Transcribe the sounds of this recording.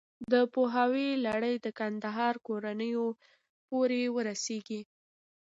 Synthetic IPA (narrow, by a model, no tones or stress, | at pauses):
d̪əpoɦawelaɽəjd̪əkand̪aɦɑɾkoɾanəjo | poɾewəɾaseɡi